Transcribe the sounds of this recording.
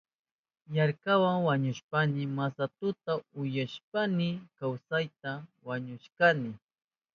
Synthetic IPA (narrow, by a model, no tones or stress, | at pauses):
jaɾkawaŋwaɲʊʃpanɪmasat̪ʊt̪aʊjaʃp̚anɪkawsajt̪awaɲʊʃkanɪ